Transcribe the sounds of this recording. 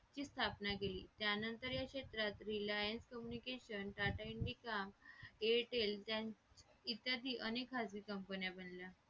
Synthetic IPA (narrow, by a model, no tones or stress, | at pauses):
t͡ɕiːst̪ʰapnakeliːt̪janənt̪əɾjakɕet̪ɾat̪ɾilajənskəmjunikeɕənʈaʈaiɳɖikameʈelt̪jait̪ad̪iːʔənekɦad͡zʋiːkəmpənjabənlja